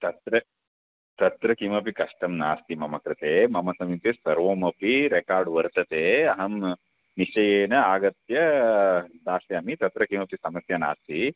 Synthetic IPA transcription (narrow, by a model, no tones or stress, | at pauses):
t̪ɐt̪ɾɐ | t̪ɐt̪ɾɐkimɐp̬ikɐʂʈɐmna̰ːst̪imɐmɐkɾɐt̪eːmɐmɐsɐmit̪esɐɾʋoːmɐpiɾekaːɾɖʋɐɾt̪ɐt̪eːɐɦɐm | niʃɐjeːnɐaːɡɐt̪jɐ | d̪aːsjɐɐmit̪ɐt̪ɾɐkimɐpisɐmɐsjɐna̰ːst̪i